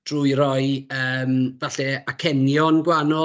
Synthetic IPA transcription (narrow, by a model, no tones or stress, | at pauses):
d̥ruɨɾɔɨəːmvaɬɛakʰɛnjɔnɡwanɔ